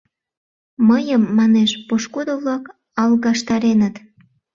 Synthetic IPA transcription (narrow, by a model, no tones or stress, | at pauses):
məjəmːɑneʃpoʃkud̪oβlɑk | ɑlɣɑʃt̪ɑɾenət̪